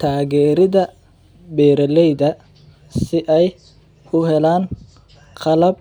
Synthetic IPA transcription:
t̪ʰaːɣɛːɾɪðɐ | bɛːɾɐlɛjðɐ | sɪʔɛj | kʰʊɦɛlaːn | qʰɑlɐb̚

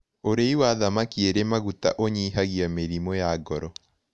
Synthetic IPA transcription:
oɾeiwaðamakieɾemaɣuta̰ʔoɲiɦaɣiameɾimɔjaɡɔɾɔ

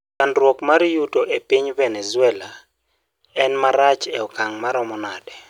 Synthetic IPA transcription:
kandɾwokmaɾjutoʔepiɲvɛnɛzʊɛla | ɛnmaɾat͡ʃɛɔkaŋmaɾɔmɔnadɛ

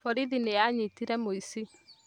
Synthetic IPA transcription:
fɔɾiðinejaɲitiɾɛmoisi

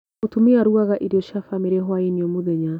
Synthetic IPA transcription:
otumiaɾuaɣaʔiɾiɔʃafamiɾɛɦwainiɔmoðɛɲa

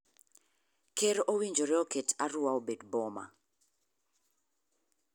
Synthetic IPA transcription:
kʰeɾʔowiɲd͡ʒɔɾɛɔkʰɛtʰaruwaɔbɛdbɔma̰

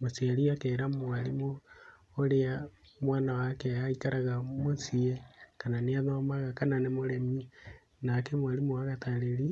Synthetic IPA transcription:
mosiaɾiakeːɾamwaɾimoː | ɾea | mwaːnawakɛaikaɾaɣamosiekananeaðomaɣakananemoɾemi | nakemwalimoaɣataɾeɾi

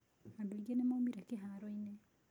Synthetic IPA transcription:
madoiɡenemamiɾakeɦaɾoine

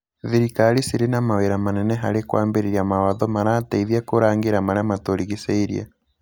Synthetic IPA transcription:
ðiɾikaɾisiɾenamaweɾamanɛnɛɦaɾekwa̰ːmbeɾeɾiamawaðɔmaɾataiðjakoɾaːŋɡeɾamaɾeamatoɾiɣiseiɾḭa̰

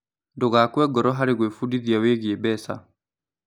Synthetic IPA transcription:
ndoɣakwɛɡɔɾɔɦaɾeɣwefudiðjaweɣebɛsa̰

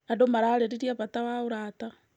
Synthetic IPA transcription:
adomaɾaɾeɾiɾjaβatawauɾata

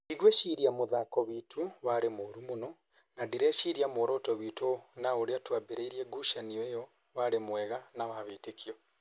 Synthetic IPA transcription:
iɣweʃiɾiamoðakɔβitʰuwaɾemoɾumonɔ | nadiɾɛʃiɾiamoɾɔtɔβitonaoɾeatwabeɾeiɾiɛɡuʃaniejɔ | waɾemwɛɣanaβaβetekʰiɔ

